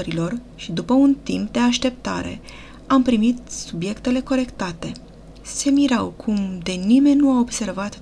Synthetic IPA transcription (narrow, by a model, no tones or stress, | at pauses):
ɾilo̞r | ʃid̪upəunt̪imp̚d̪e̞aʃt̪e̞p̚t̪a̰ɾe̞̰ | ampɾimit̪̚subje̞kt̪e̞le̞ko̞ɾe̞kt̪at̪e̞ | se̞miɾawkʰumd̪e̞nime̞nʲnuaobse̞rvat̪